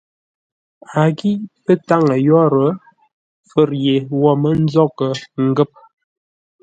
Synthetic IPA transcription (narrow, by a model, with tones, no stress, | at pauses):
a˨ɡi˦pə˦ta˦ŋə˨jɔ˦ɾə˨˦ | fə˨ɾje˨wɔ˦mə˦n̩˦zɔ˦kə˨ŋ̩˨ɡə˦˨p̚